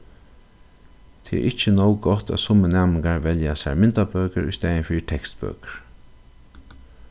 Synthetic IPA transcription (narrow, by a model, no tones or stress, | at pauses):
t̪ʰɪɛ̰ʔɪht͡ʃənɔwɡɔt̪a̰t̪sʊmənæːmɪŋkaɹʋɛljasa̰ɹmɪnt̪abøːkəɹʊ̰st̪ɛːənfiːt̪ʰɛkst̪bø̰ːkə̥ɹ